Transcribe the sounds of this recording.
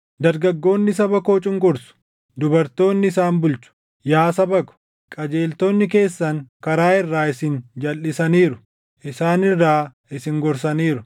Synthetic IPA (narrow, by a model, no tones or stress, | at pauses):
d̪ɐɾɡɐɡːo̞ːnːɪs̬ɐbɐkoːt͡ʃʼɪŋɡʊɾsʊ̥ | d̪ʊbɐɾt̪o̞ːnːɪɪsaːnbʊlt͡ʃʊ̥ | jaːsɐbɐkʊ̥ | kʼɐd͡ʒe̞ːlt̪o̞ːnːɪk̬e̞ːsːɐŋkɐɾaːɪrːaːɪsɪnd͡ʒɐlːɪsɐniːɾʊ | ʔɪsaːnɪrːaː | ɪsɪŋɡɔɾs̬ɐniːɾʊ